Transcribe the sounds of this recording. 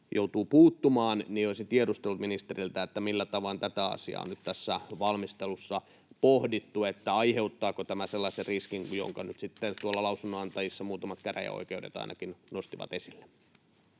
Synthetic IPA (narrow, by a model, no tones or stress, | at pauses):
jout̪uːpuːt̪ːumɑːnnioisit̪iedust̪elut̪minist̪erilt̪æet̪ːæmilːæt̪ɑʋɑnt̪æt̪æɑ̰siɑ̰ːo̰nyt̪t̪æsːæʋɑlmist̪elusːɑ | pohdit̪ːuet̪ːæɑiheut̪ːɑːkot̪æmæselːɑseriskiŋjo̰ŋkɑnyt̪sit̪ːet̪uolːɑlɑusunːoɑnt̪ɑjisːɑmuːt̪ɑmɑt̪kæræ̰jæ̰o̰ikeudḛt̪ɑ̰inɑkinnost̪iʋɑ̰t̪esilːe